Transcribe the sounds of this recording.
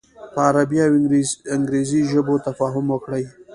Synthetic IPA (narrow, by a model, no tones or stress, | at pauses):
paːɾabjaɪŋɡɾeziʒəbot̪afɑːɦʊmwəkɽaj